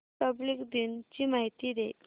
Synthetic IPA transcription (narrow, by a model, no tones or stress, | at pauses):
pəblikd̪int͡ɕiːmaɦit̪iːd̪e